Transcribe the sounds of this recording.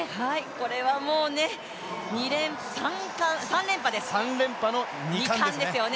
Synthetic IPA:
haiko̞ɾe̞βamo̞ːne̞ | ɲiɾẽ̞m | sãŋkãɰ̃sãnɾẽ̞mpad̪e̞ssãnɾẽ̞mpano | ɲiãk̪ãnd̪esɨjo̞ne

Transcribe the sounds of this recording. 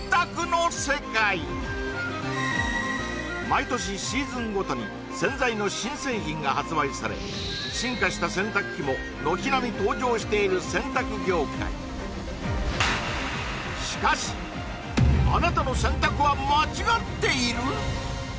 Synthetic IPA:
t̪akɯ̟no̞se̞kai | mait̪o̞ɕ̬iɕiːzɨ̃ŋɡo̞t̪o̞ɲ̟ḭ | sẽ̞ñd͡zaino̞ɕĩɰ̃se̞ːçĩŋɡahat͡sɨbaisaɾe̞̰ | ɕĩŋkaɕi̥t̪asẽ̞nt̪akɯkʲːimo̞ | no̞çinamʲit̪o̞ːd͡ʑo̞ːɕi̥t̪e̞iɾɯ̟sẽ̞nt̪akɯ̟ɡʲo̞ːkʰa̰ḭ | ɕi̥kaɕi̥ | a̰nat̪ano̞sẽ̞nt̪akɯβamat͡ɕiɡat̪ːe̞iɾɯ̟

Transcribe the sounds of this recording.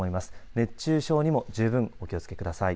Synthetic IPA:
o̞imasɨ̥ne̞t͡ɕːɨːɕo̞ːɲ̟imo̞d͡ʑɨːbɯ̟̃ŋo̞kʲio̞t͡sɨ̥ke̞kɯ̟d̪asai

